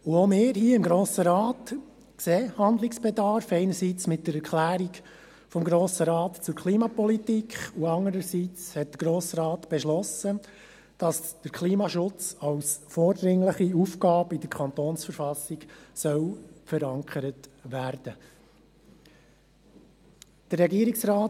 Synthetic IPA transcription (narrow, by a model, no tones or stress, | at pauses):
uomeːɾhiːɪmɡɾoːsəɾɑːt | kseːhɑnd̪lɪksb̥ɛdɑɾfɛɪnəɾsiːt͡smɪt̚dəɾɛɾkʰlæːɾiɡ | fɔmɡɾoːsəɾɑːtt͡sʊɾkʰliːmɑpɔlitikχuɑŋəɾəsiːt͡shɛt̚d̥̪əɾɡ̥ɾoːsɾɑːt̪b̥ɛʃlɔsə | d̥ɑsd̪̥əɾkʰliːmɑʃʊt͡sɑwsfɔːɾd̪ɾɪŋləχiufkɑːbidəɾkʰɑnt̪oːnsfəɾfɑsiɡsœwfəɾɑŋkχəɾətʋæːɾd̥ə | d̥ərːɛɡiəɾiksɾɑː